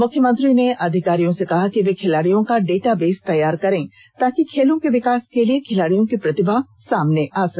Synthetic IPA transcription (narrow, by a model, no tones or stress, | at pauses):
mʊkʰjəmə̃nt̪ɾineʔɐd̪ʱɪkaːɾijõsekɐɦakiʋekʰɪlaːɽijõkaɖeːʈabeːst̪ɐjaːɾkɐɾẽː | t̪aːkikʰeːlõkeʋɪkaːskeliekʰɪlaːɽijõkipɾɐt̪ɪbʱa | saːmneʔaːs